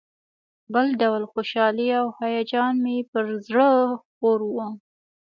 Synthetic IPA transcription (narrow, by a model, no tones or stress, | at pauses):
bəlɖawlxoʃɑliawhajɑd͡ʒɑnmepəɾzɽəxpoɾwə